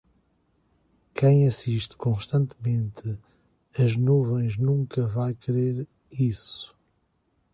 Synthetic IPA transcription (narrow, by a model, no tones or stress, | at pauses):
kʰɐ̃j̃ɐsiʃt̪kõʃt̪ɐ̃nt̪mẽnt̪ʰɨ | ɐʒnuvẽj̃ʒnũŋkɐvajkɾeɾ | isu̥